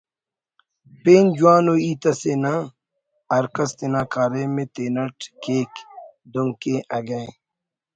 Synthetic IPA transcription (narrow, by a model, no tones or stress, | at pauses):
peːnd͡ʒuwaːnoːiːt̪ɐsenãː | ɐɾkɐst̪enaːkaːɾeːmẽt̪eːnɐʈkeːk | d̪oŋkeʔɐɡɐẽ